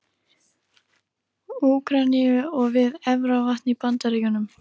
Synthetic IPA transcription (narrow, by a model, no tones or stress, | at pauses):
uːkɾaniʏɔɣvɪðɛvɾavaht̪nipant̪aɾiːjʏnʏm